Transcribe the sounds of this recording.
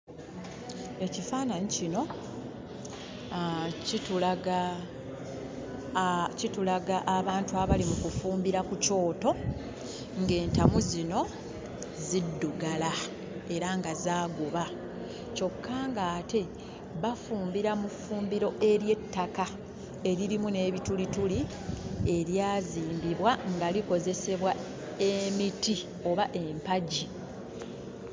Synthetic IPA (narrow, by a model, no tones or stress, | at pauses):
e̞cifaːnaɲicino̞ | citulaɡa | citulaɡaʔːβaːntuaβalimukufuːmbiɾakuco̞ːto̞ | ŋɡe̞ːntamuzino̞ | zidːuɡala | e̞ɾaŋɡazaːɡoβa | co̞kʰːaːŋɡaːte̞ | βafuːmbiɾamufuːmbiɾo̞ʔe̞ɾje̞tːaka | e̞ɾiɾimune̞ːβitulituli | e̞ɾjaːziːmbiβwaŋɡaliko̞ze̞se̞βwa | e̞miti | o̞βaʔe̞mpaɟi